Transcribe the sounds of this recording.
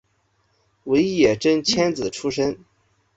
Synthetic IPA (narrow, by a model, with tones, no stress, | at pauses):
we˧˥ɪjɛ˨˩ʈ͡ʂə˥ŋt͡ɕʰjɛ˥nd͡zɹ̩˨˩ʈ͡ʂʰu˥ʂə˥n